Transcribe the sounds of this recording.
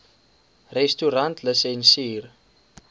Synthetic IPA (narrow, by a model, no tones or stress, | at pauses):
rɛstuɾantʰləsɛnsiːr